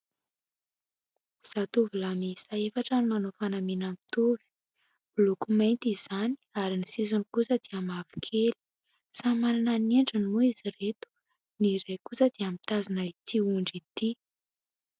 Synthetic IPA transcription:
z̥at̪uvulamisaefaʈ͡ʂənimanofanamenamit̪uvi̥ | lukument̪iz̥ani̥aɾinisizunikusəd̪̥iamavi̥kʰeli̥ | samanananeɳɖ͡ʐənimuiziret̪u̥ | niɾejkusəd̪̥iamit̪azinait̪iuɳɖ͡ʐit̪i

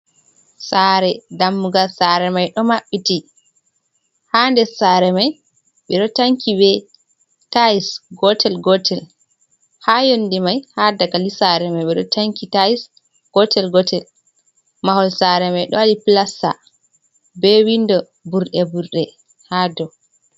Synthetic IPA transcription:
saɾɛdamːuɡalsaɾɛmajɗɔmaɓːiti | handɛsaɾɛmaj | ɓɛɗɔtaŋkʰibɛ | taisɡɔtɛlɡɔtʰɛl | hajondimajhadaɡalisaɾɛmajɓɛɗɔ̰taŋkitais | ɡ̥ɔtʰɛlɡɔtɛl | mahɔlsaɾɛmajɗɔ̰walipilasːa̰ | bɛwindɔ | buɾɗɛbuɾɗɛ | hadɔ

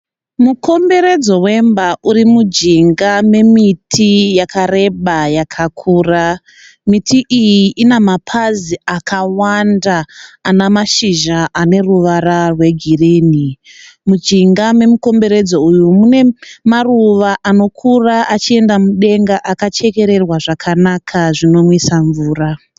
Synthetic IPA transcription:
muko̞mbe̞ɾe̞d͡zo̞we̞mbaʔuɾimud͡ʒiŋɡame̞mitʰijakʰare̞ɓajakʰakʰuːra | mitʰiʔijiʔinamapʰaziakʰawandaːnamaʃiʒaʔane̞ruʋaɾarwe̞ɡʱirinimud͡ʒiŋɡame̞muko̞mbe̞ɾe̞d͡zo̞ujumune̞maruʋaʔano̞kʰuraʔat͡ʃie̞ndamuɗe̞ŋɡaʔakat͡ʃe̞ke̞ɾe̞rwaʐakʰanakʰaʐino̞mwisaɱvuːra

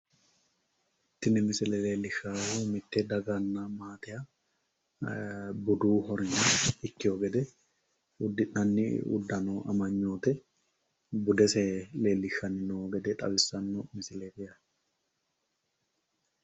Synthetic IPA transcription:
ɪt̪ːɪnɪmɪsɪlɛleːlːɪʃaːhuːmɪt̪ːed̪ɐɡanːamaːt̪ɪjɐ | bʊd̪uːɦɔɾɪnɐɪkːɪjoːɡɛd̪ɛ | ʊd̪ɪnɐnːɪ̰ʊ̰d̪ːɐnoːɐ̰mɐɲːoːt̪ɛ | bʊd̪ɛsɛleːlːɪʃɐnɪnoːɡɛd̪ɛt̪ʼɐbɪsːɐnːomɪsɪleːbɪjɐ

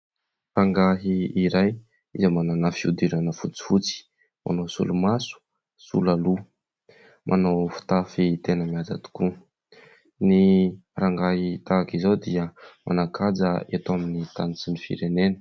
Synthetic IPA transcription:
raŋɡaɦiːɾaj | izamananafiud̪iɾanəfut͡si̥fut͡si̥ | mʔa̰nowsṵlumasu̥ | sṵlalu | mʔa̰nawfu̥t̪afit̪enəmiad͡za̰t̪u̥ku | niraŋɡaɦit̪akizawd̪iəmʔa̰nakʰad͡zəet̪aminit̪anit͡sinifḭɾenenə̥

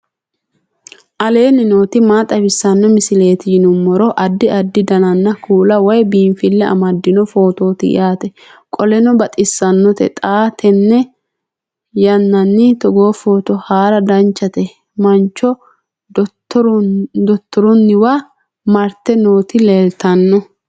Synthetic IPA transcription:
ʔɐle̞ːnːɪnoːt̪ɪmaːt̪ʼɐbɪsːɐnːɔmɪsɪle̞ːt̪ɪjɪnʊmːɔɾɔʔɐd̪ːɪɐd̪ːɪd̪ɐnɐnːɐkʰuːlɐwɔjbiːnfɪlːɛɐ̰mɐd̪ːɪnɔfo̞ːt̪o̞ːt̪ɪ̰ʔɪ̰jʔaːt̪ɛ | kʼɔlɛnɔbɐt̪ʼɪsːɐnːɔt̪ɛ̰t̪ʼaːt̪ʰɛnːɛ | jɐnːɐnːɪt̪ɔɡo̞ːfoːt̪ɔhaːɾɐd̪ɐnt͡ʃːɐt̪ɛ | mɐnt͡ʃːɔ | d̪ɔt̪ːɔɾʊnːɪwaː | mɐɾt̪ːɛno̞ːt̪ɪleːlt̪ɐnːɔ

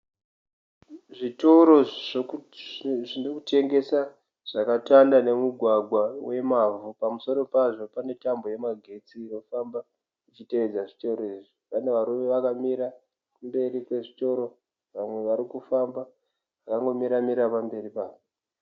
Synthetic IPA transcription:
ʐito̞ɾo̞ | ʐinokute̞ŋɡe̞sa | ʐ̥akatandane̞muɡʱwaɡʱwawe̞mavupamuso̞ɾo̞paʐo̞pane̞tamboje̞maɡʱe̞t͡siːno̞famba | it͡ʃite̞ʋed͡zaʐito̞ɾoiʐipane̞ʋaɾuʋe̞ʋakamiɾa | kumbe̞ɾikwe̞ʐito̞ɾo̞ | ʋamwe̞ʋaɾikufamba | ʋakaŋɡo̞miɾamiɾapambe̞ɾipaːʐo

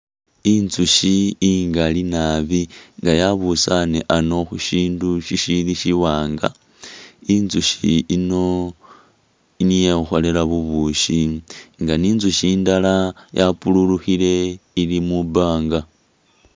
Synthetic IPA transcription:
inzuʃiːŋɡalinaβiŋɡajaβusaneʔano̞xuʃiːnduʃiʃiliʃiwaːŋɡa̰ | inzuʃiːno̞ | inijexo̞lelaβuβuʃiŋɡaniːnzuʃiːndalajapululuxile̞ilimubaːŋɡa

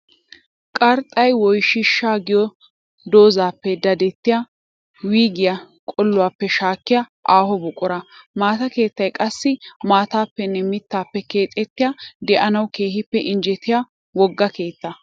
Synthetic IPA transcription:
kʼɐɾt̪ʼːɐjwɔjʃɪʃːaːɡɪjɔ | d̪o̞ːzaːpːɛd̪ɐd̪ɛt̪ːɪjɐ | wiːɡɪjɐ | kʼɔlːʊwaːpːɛʃaːkːɪjɐ | ʔaːhɔbʊkʼʊɾɐmaːt̪ɐke̞ːt̪ːɐjkʼɐsːɪmaːt̪aːpːɛnːɛmɪt̪ːaːpːɛke̞ːt̪ʼɛt̪ːɪjad̪ɛʔɐnɐwkeːhɪpːɛʔɪnd͡ʒɛt̪ːɪja | wɔɡːɐke̞ːt̪ːɐ

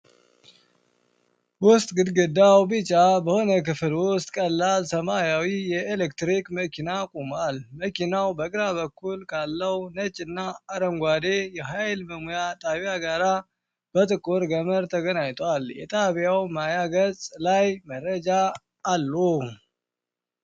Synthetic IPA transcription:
wʊst̪ʼɡɨd̪ɡɨd̪awbɨt͡ʃʼːabəho̞nəkɨflwʊst̪ʼkʼəlːalsəmajawijɛʔelɛk̚t̪ɾikməkʰinakʼumalməkʰinawbəɡɾaβəkːulkʰalːəwnət͡ʃʼɨnːaːɾəŋɡʷad̪ejɛɦajlməmujat̪ʼaβjaɡaɾa | b̥ət̪ʼɨkʼːoɾɡəməɾt̪ʰəɡənajt̪ʼwaljɛ̰t̪ʼaβjawmajaɡət͡sʼlajmərəd͡ʒaː | lːu

